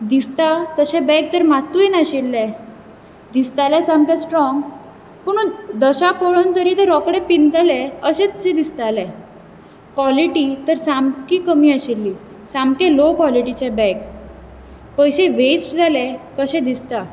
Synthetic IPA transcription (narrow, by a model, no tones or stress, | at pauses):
d̪ist̪at̪əɕɛ̃bɛk̚t̪əɾmat̪ujnaɕilːɛ̃ | d̪ist̪alɛ̃samkjãsʈɾɔŋɡ | pəɳ̃und̪əɕapoɭont̪əɾit̪əɾɔkɽɛpind͡z̪alɛ̃əɕẽt̪t͡ɕẽd̪ist̪alɛ | kwʋɔliʈit̪əɾsamkiːkəmiːəɕilːiː | samkɛlokwɔliʈit͡ɕɛbɛ̃k | pəjɕeʋet͡sd͡zʱalɛkəɕɛ̃d̪ist̪a